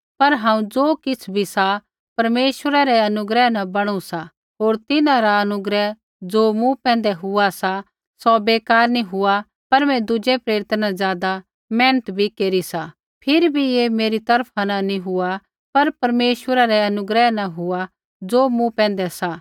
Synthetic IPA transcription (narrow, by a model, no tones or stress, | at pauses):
pɐɾɦãːũd͡zoːkɪt͡sʰbʱisa | pɐɾmeːʃwəɾaɾɛɐnʊɡɾɛɦnãbɐɽ̃usa | ɦoːɾt̪ɪnãɾaɐnʊɡɾɛ | d͡zoːmũpɛ̃ːn̆d̪ɛɦʊasa | sɔbeːkaːɾnĩɦʊa | pɐɾmɛ̃d̪ʊd͡ʒɛpɾeːɾɪt̪nazjaːd̪a | mɛ̃ːnət̪bʱikeːɾisa | pʰɪɾibʱijeːmeːɾit̪ɐɾpʰananĩɦʊa | pɐɾpɐɾmeːʃwəɾaɾɛɐnʊɡɾɛɦnaɦʊa | d͡zoːmũpɛ̃ːn̆d̪ɛsa